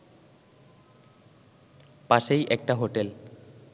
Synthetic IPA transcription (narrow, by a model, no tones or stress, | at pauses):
paʃejʔɛk̚ʈaɦoʈel